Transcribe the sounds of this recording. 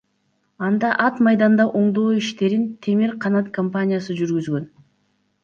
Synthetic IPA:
ɑnd̪ɑʔɑt̪mɑjd̪ɑnd̪ɑʔo̞ɴd̪o̞ːiʃt̪e̞ɾint̪ʰe̞miɾqʰɑnɑt̪kʰompanʲɪjas̬ɯd͡ʒyɾɡyzɡø̞n

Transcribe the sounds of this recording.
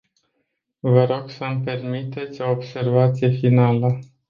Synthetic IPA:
vəɾo̞ɡ̥səmpe̞rmit̪e̞t̪sʲo̞ːbse̞rvat̪sije̞finalə

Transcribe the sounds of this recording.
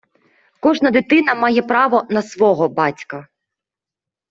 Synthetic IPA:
kɔʒnɐd̪ɪt̪ɪnɐmɑjɛpɾɑʋɔnɐsʋɔɦɔbɑtʲkɐ

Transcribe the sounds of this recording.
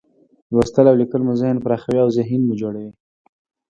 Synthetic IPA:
last̪əlawlikəlmʊzahnpɾɑxawiawzaɦinmʊd͡ʒoɽawi

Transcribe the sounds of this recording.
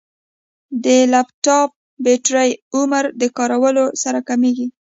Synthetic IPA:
d̪əlaptɑp̚ | beʈɾəjuməɾd̪əkɑɾawəlosaɾakameɡi

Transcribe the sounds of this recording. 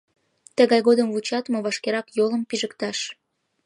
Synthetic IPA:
t̪əɣɑjɣod̪əmvut͡ɕɑt̪moβɑʃkeɾɑkjoləmpiʒəkt̪ɑʃ

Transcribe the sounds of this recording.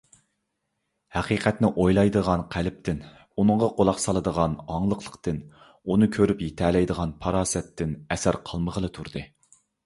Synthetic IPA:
hæqiːqʰɛt̪nɪʔojlˠɑjd̪əʁɑnqʰælɪp̚t̪ʰɪn | unɨŋʁɑqolˠɑqsɑlˠɨd̪əʁɑnɑŋlˠəqʰlˠə̥qt̪ɨn | unɨkʲʰøɾypjit̪ʰɛlɛjd̪əʁɑnpʰɑɾɑːsɛt̪ʰːɪnɛsæɾqʰəlˠməʁəlˠɨt̪ʰuɾd̪ɨ

